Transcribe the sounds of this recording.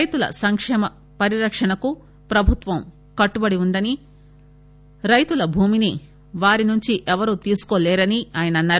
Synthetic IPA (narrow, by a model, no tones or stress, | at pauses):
jt̪ulɐ̰sɐŋkʂɛːmɐ | pɐɾiɾɐkʂɐɳɐku | pɾɐbʱut̪ʋɐm | kɐʈːubɐɽiund̪ɐni | ɾɐjt̪ulɐbʱuːmini | ʋaːɾinuɲt͡ʃiʔɛʋɐɾut̪iːsu̥koːlɛːɾɐniaːjɐnɐɐnːaːɾu